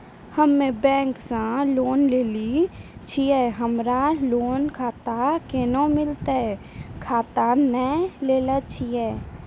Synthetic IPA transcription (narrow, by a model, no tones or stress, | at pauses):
həmːẽbɛ̃ːŋksãloːnleːlit͡ʃʰiɛːɦəmɾaloːnkʰaːt̪akeːnõmɪlt̪aɛ | kʰaːt̪anɛleːlat͡ʃʰiɛː